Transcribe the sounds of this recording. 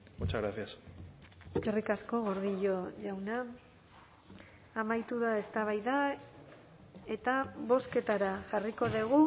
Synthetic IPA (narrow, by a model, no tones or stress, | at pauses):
ot͡ʃaɣɾaθias | eskerikasko̞ɣo̞ɾðiʎo̞ʎawna | majt̪uðae̞st̪aβ̞ajða | e̞t̪aβo̞ske̞t̪aɾaʝariko̞ðeɣu